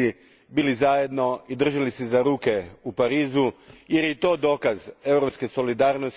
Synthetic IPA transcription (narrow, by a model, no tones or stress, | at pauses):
i | biːlizajed̪no̞id̪r̩ʒalisezaɾuːke̞upaɾiːzuje̞ɾjet̪o̞ːd̪o̞ːkaze̞wɾopskeso̞lid̪aːɾnos